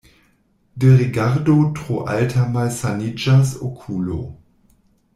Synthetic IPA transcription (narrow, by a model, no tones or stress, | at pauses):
dəʁiɡaʁdotʁ̥oʔa̰ltʰamalsanid͡ʒasokʰuːlo̰